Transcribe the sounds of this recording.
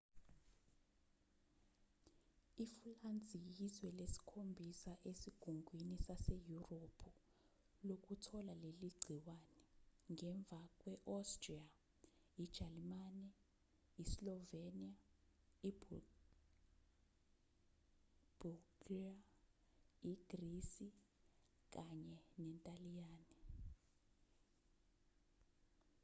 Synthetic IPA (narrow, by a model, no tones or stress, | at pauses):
ifuland͡zʱijizwɛlesi̥kʰombʱisaʔesiɡ̥ʱuŋɡʱwinisasejuropʰu | lok̬utʰɔlaleliɡ͡ǀʱiwaːnɛŋɛɱb̪vʱak̬ʼwɛʔɔstria | id̥ʒ̥ʱalimanɛ | islɔveniaibu | b̥uɡ̥a | iɡ̥risi | k̬aɲɛnɛntʼalijaːni